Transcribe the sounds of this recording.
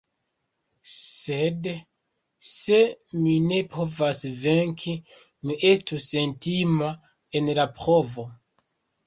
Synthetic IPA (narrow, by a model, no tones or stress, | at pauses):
se̞d | se̞mine̞pʰo̞vasve̞ŋkʰimiʔe̞stuse̞ntimae̞nlapɾo̞vo̞